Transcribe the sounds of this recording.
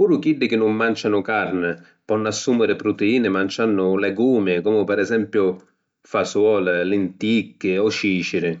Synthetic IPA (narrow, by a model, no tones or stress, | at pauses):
puːɾʊkiɖːɪk̟ɪnːʊmːant͡ʃanʊkarnɪ | pɔnːasːumɪɾɪpɾʊt̪eiːnɪmant͡ʃanːʊlɛɡuːmɪkɔmʊpɛɾɛzɛmpjʊ | faswɔːlalɪnt̪ikːɪɔʃiːt͡ʃɪɾɪ